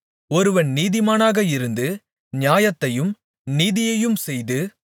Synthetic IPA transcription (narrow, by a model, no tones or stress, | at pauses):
ɔɾɯʋɐɳniːðɪmaːnaːɣɐɪɾɯnd̪ɯ | nɪjaːjɐt̪ːɐjɯm | niːðɪjɐjɯmsɛjðɯ